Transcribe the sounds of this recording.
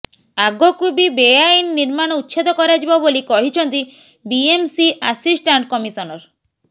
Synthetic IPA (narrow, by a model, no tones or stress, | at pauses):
aɡɔkubibejainːiɾmaɽ̃ɔut̪ːʃʰed̪ɔkɔɾad͡ʒibabolikɔɦit͡ʃʰɔnt̪i | biemsiʔasisʈaɳʈkɔmisɔnɔɾ